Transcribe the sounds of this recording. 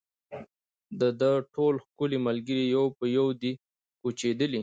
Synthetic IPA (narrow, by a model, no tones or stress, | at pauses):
d̪əd̪əʈʰolxkʊliməlɡəɾijawpəjawd̪i | kut͡ʃed̪əli